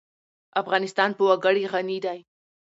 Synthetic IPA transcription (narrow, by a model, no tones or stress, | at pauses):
afɣɑnɪst̪ɑnpəwaɡəɽiɣanid̪aj